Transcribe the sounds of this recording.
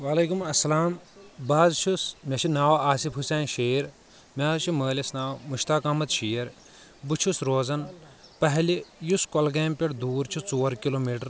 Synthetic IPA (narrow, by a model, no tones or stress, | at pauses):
ʋaːleːkumɐsːɐlaːmbaːzt͡ʃʰusmʲɐt͡ʃʰinaːwaːsifɦuseːnʃeːɾ | mʲaːzt͡ʃʰiməːlɐsnaːwmuʃt̪aːkɐmɐt̪ʃiːjɐɾ | but͡ʃʰusɾoːzɐn | pɐɦlijuskolɡeːmpeʈd̪uːɾt͡ʃʰut͡soːɾkiloːmiːʈɐɾ